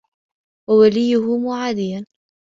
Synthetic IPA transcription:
wawalɪjːʊhʊmʊʕaːd̪ɪjːan

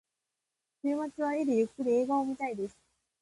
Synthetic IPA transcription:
seːmat͡siβaeɾejɯkːɯɾʲieːɡaomʲit̪aid̪e̞sɨ̥

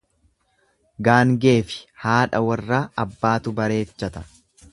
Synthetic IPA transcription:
ɡaːŋɡe̞ːfɪ̥haːᶑɐwɐrːaːɐbːaːt̪ʊbɐɾe̞ːt͡ʃːɐt̪ɐ̥

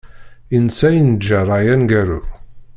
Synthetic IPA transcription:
insæjənəd͡ʒːaɾˤajænɡæɾṵ

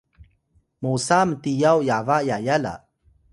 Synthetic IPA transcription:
musamətijawjavajajala̰

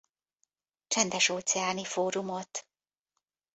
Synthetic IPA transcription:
t͡ʃɛnd̪ɛʃoːt̪sɛaːnifoːɾumot̪

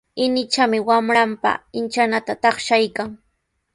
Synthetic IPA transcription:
ɪnɪt͡ʃamɪwamɾampa̰ɪnt͡ʃanat̪at̪ɑχʃajkaŋ

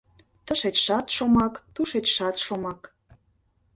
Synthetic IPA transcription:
t̪əʃet͡ɕʃɑt̪ʃomɑkt̪uʃet͡ɕʃɑt̪ʃomɑk

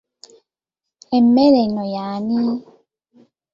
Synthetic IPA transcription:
ɛmːɛɾɛnɔjaːni

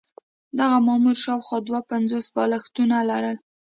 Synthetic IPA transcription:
d̪aɣamɑmuɾʃɑwxwɑd̪wapanzosbɑlaxt̪unalaɾəl

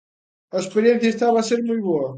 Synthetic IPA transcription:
ɐeʃpɨɾiẽnθjɐeʃt̪aβaːseɾmũjβoɐ

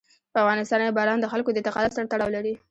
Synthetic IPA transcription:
pəavɣɑnɪst̪ɑnkebɑɾɑnd̪əxalkod̪ət̪aqɑd̪asaɾt̪aɽɑwlaɾi

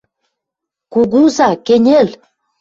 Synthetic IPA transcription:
kuɡuzɑkenʲel

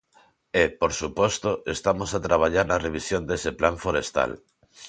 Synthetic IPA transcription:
epoɾsupost̪oest̪amosat̪ɾaβ̞aʎaɾnareβ̞isjond̪eseplaɱfoɾest̪a̰l

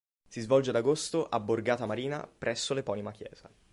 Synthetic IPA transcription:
sizvɔld͡ʒead̪aɡost̪oʔabːorɡaːt̪amaɾiːna̰pɾʔɛsːolepɔːnimakjɛ̰ːz̥a

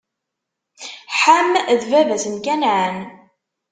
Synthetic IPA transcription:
ħamðvævæsənkænʕən

